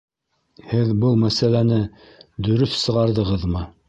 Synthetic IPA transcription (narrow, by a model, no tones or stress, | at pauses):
hɘðbɤlˠmæsælænɘ | d̪ɵ̆ɾɵθsɤ̆ʁɑɾðɤ̆ʁɤðmɤ